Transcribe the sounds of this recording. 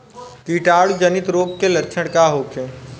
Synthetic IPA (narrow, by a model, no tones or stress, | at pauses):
kiʈaːɽud͡ʒənɪt̪ɾoːɡkeləɾt͡ʃʰəɽkaɦoːkʰẽː